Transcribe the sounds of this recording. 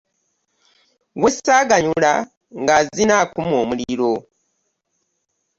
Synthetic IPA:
wesaːɡaɲula̰ | ŋɡazinakumoːmuliɾo

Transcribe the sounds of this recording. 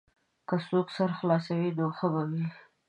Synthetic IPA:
kəsoksaɾxlɑsawinoxəbawi

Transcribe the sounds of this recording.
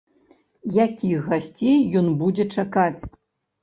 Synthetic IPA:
jakʲixɣasʲt͡sʲejːɔnbud͡zʲɛt͡ʂakat͡sʲ

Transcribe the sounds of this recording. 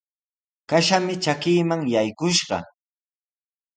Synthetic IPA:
kaʃamɪt͡ʃakiːmaŋjajkʊʃɢɑ̰

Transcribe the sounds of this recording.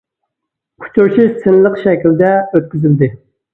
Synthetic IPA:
qʰʊ̥t͡ʃʰuɾʃʰisɪnlˠəqʃɛkʲild̪ɛøt̪̚kʲyzyld̪ɪ

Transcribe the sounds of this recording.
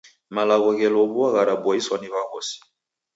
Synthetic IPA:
malaɣɔɣɛlɔβuaɣaɾabwaiswaniβaɣɔsi̥

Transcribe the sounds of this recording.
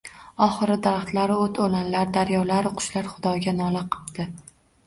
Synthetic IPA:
ɒχɨɾɪd̪aɾaχt̪laɾɪot̪ʰolanlaɾd̪aɾjɒlaɾqʰʊ̥ʃlaɾχʊd̪ɒɡʲanɒlɪqʰɨ̥pd̪̥ɪ

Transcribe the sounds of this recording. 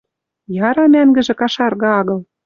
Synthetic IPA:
jɑɾɑmæŋɡɘ̆ʒĕkɑʃɑrɣɑɑɣɤ̆l

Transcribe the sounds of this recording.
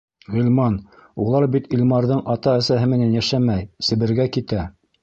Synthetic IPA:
ʁɵ̆lʲmɑnulˠɑɾbit̪ilʲmɑɾðɤɴʔɑt̪ɑæsæɦɘmɘ̆nænjæʃæmæjsɘ̆βɘ̆ɾɡækit̪æ

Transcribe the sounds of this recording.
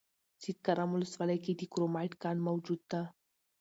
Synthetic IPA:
sit̪̚kaɾamulsvalajkid̪ikuɾomaʈkanmawd͡ʒut̪̚t̪a

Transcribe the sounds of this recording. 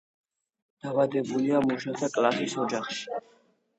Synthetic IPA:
d̪̥avad̪ɛbuliamuʃat̪ʰakʼlasisɔd͡ʒaχʃi̥

